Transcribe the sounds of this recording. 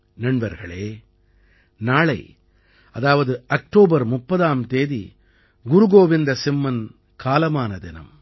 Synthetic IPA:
nɐɳbɐɾɣɐɭeː | naːɭɐɪ | ɐðaːʋɐðɯɐk̚ʈoːbɐɾmʊpːɐðaːmt̪eːðḭ | ɡʊɾʊɣoːʋɪnd̪ɐsɪmːɐn | kʰaːlɐmaːnɐd̪ɪnɐ̰m

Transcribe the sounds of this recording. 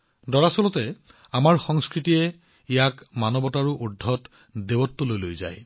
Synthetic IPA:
dɔɹasɔlɔtɛ | amaɹxɔŋskɹitijɛ | ijakmanɔbɔtaɹuʔudʱːɔt | debɔtːɔlojlojza̰j

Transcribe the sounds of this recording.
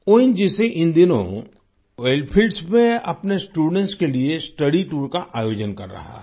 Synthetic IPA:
oːɪnd͡ʒiseʔɪ̃nd̪ɪnõ̰ | ʋeːlpʰilɖsmẽɐpnesʈuːɖə̃ɳʈskeliesʈɐɽiʈuːɾkaʔaːjoːd͡ʒənkɐ̰ɾːɐ̰ɦa̰

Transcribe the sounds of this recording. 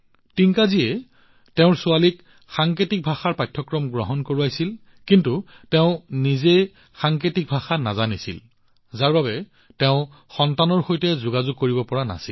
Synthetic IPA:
tiŋkaziɛ | tɛʊ̃ɹsʊalik | xaŋketik̚bʱaxaɹpajtʰːɔkɹɔmɡɹɔɦɔnkoɹuajsil | kintu | teʊ̃nize | xaŋketik̚bʱaxanazanisḭl | zaɹbabɛ | tɛʊ̃ | xɔntanɔɹxojtɛzʊɡazʊɡ̚koɹibɔpɔɹana̰sḭl

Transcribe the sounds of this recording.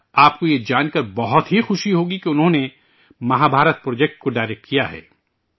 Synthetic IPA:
aːpkojed͡ʒaːnkɐɾbɐɦʊt̪ɦixʊʃiɦoːɡikeʊnɦõne | mɐɦãːbʱaːɾət̪̚pɾoːd͡ʒɛːk̚ʈ̚koɖaːɪɾɛk̚ʈkijaɦɛ̰ː

